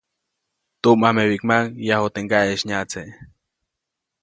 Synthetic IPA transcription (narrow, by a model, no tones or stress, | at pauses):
t̪umahmewikmaŋjahot̪eŋɡaeʃɲat͡se